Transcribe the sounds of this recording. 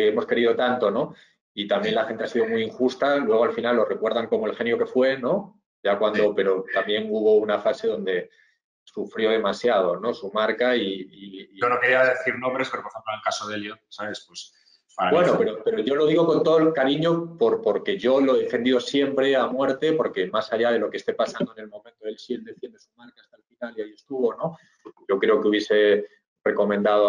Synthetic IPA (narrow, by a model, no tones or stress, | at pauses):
emo̞ske̞ɾiðo̞t̪ant̪o̞no̞ | it̪amje̞nlaxe̞nt̪easiðo̞mujiŋxust̪alwe̞ɣ̞o̞alfinalːo̞re̞kwe̞ɾðaŋko̞mo̞e̞lxe̞njo̞ke̞fwe̞nõ̞ | ʝakwand̪o̞pe̞ɾo̞t̪amje̞ŋuβo̞unafase̞ðo̞nd̪e̞ | sufɾjo̞ð̞e̞masjað̞o̞no̞sumaɾkaiionokeɾiaðeθiɾnõmbɾespeɾopoɾemplonelkasoðeljonsaβe̞spwes | aabwenope̞ɾo̞pe̞ɾoʝo̞lo̞ð̞iɣ̞o̞ko̞nt̪o̞ðoelkaɾiɲo̞po̞ɾpo̞ɾke̞ʝo̞lo̞ðe̞fe̞nd̪iðo̞sje̞mpɾe̞amwe̞ɾt̪e̞po̞ɾke̞masaʝað̞e̞lo̞kest̪e̞pasãnd̪oene̞lmõ̞mẽnt̪oe̞lsiɣend̪e̞fje̞nd̪e̞sumaɾkaːst̪alfinaliaie̞st̪uβo̞no̞ | ɟ͡ʝo̞kɾe̞o̞keuβjese̞ | re̞ko̞mẽnd̪aðo